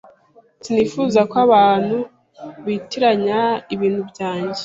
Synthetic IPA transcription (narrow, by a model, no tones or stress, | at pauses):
tinifuːzakaβaːn̥hu | βiːtiɾaɲaiβiːn̥hubɟaːɲɟe